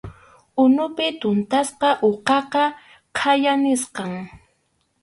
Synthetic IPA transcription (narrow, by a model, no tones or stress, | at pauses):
ʊnʊpɪt̪ʊnt̪asqɑʔoqɑqɑ | qʰajanɪsqɑŋ